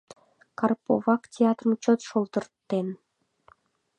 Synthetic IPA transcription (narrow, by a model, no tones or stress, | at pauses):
kɑrpo̰vɑktʲeɑt̪rmt͡ɕot̪ʃolˠt̪ərt̪ːen